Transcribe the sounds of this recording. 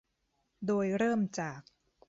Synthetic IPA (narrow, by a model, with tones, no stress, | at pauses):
doː˧jɾɤː˥˩mt͡ɕaː˨˩k̚